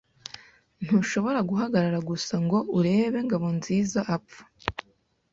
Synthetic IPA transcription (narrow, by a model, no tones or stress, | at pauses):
n̥huʃo̞βo̞ɾaɡuɦaɡaɾaɾaɡusaŋɡo̞uɾe̞ːβe̞ŋɡaβo̞nziːzaʔapfḁ